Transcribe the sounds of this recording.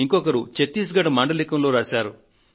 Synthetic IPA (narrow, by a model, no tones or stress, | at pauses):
iŋkɔkɐɾut͡ʃet̪ːiːs̬ɡɐʈɐmaːɳɖɐlikɐmloːɾaːʃaːɾu